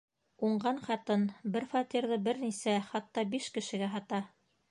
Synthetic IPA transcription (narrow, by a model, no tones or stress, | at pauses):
uɴɢɑnχɑt̪ɤnbɘɾfɑt̪ʲiɾðɤbɘɾnisæχɑt̪ːɑbiʃkɘ̆ʃɘ̆ɡæɦɑt̪ɑ